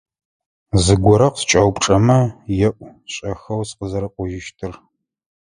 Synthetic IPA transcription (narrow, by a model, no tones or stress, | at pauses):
zɨɡʷɔɾɐqst͡ʃʼɐwpʈ͡ʂʼɐmɐjɛʔʷɕʼɐxɐwsqəzɐɾɐqʷɔʒɪʃtʰɨr